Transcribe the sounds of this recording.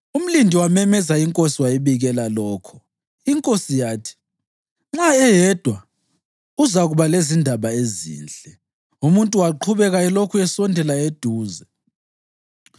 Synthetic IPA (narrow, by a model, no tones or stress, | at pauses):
um̩lindʱiwamɛmɛzaiŋkʼosiwajɛβiɣɛlalɔːkʰɔ̥ | iŋkʼosijaːtʰi̥ | ŋ͡ǁaɛjɛd̥ʱwa | uzaɣuβalezindʱaβaezḭːnd͡ɮʼɛ | umuntʼuwaǃʰuβɛɣaɛlokʰuɛsɔndʱɛlaed̥ʱuːzɛ